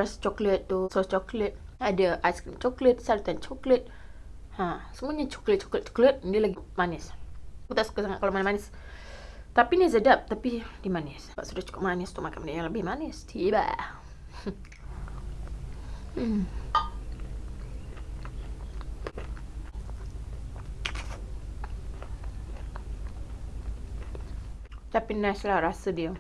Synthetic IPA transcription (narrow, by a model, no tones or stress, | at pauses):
ast͡ʃɔklət̪̚ːusɔst͡ʃɔklət̪̚ | adəʔajskɾint͡ʃɔklət̪̚saɾut̪ant͡ʃɔklət̪̚ | hasəmuəɲat͡ʃɔ̥klət̪̚t͡ʃɔ̥klət̪̚t͡ʃɔ̥klət̪̚diəlaɡimanɪskut̪aʔsu̥kəsaŋat̪ʔ̚kalomanismanɪs | t̪apinizədap̚t̪apidiəmanɪsba̰ʔsudaht͡ʃu̥kup̚manɪst̪umakanmnijãŋləbɪhmanist̪ʰiba̰ | t͡ʃapinːaslahɾasədiə